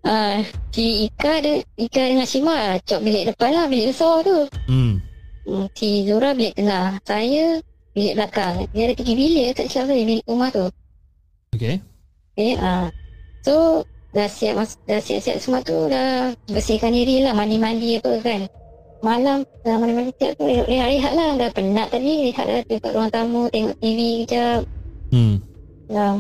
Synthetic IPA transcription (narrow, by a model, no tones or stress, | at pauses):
ʔatiikadikadəŋansimat͡ʃɔʔ̚bilɛʔdəpanlahbiliʔbəsɔt̪u | ət̪id͡ʒuɾabilɛʔ̚t̪əŋalsajə | biləʔbəlakaŋdiadəʔt̪iɡibiliʔkaʔsilasajəbiliʔumaht̪u | oke | keasodasia̰ʔmasɡasia̰ʔsia̰ʔsəmaʔt̪udabəsikandiɾilahmanimandiapəkan | malam | aamanimanisia̰ʔ̚t̪ueʔliɦaʔliɦaʔ̪̚ladahpənaʔt̪adiliɦa̰ʔ̪lat̪ika̰ʔɾuaŋt̪amut̪eŋɔ̰ʔt̪ivikəd͡ʒap̚ | la